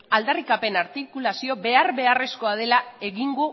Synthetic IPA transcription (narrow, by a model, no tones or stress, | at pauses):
ald̪arikape̞naɾt̪ikulasio̞be̞arβe̞are̞sko̞að̞e̞lae̞ɣiŋɡu